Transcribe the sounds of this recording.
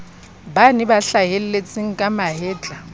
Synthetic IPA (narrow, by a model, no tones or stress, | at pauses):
banɪbaɬaɦel̩let͡sʼɪŋ̩kʼamaɦɪːt͡ɬʼa